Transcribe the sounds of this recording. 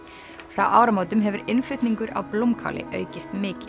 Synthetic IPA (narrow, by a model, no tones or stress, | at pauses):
fɾa̰wʔaːwɾamoːwt̪ʏmɦɛvʏɾɪnflʏɥt̪niŋkʏɾa̰vplowmkʰa̰ːlʔɪ̰ʔœ̰ːɥcɪst̪mɪːcɪ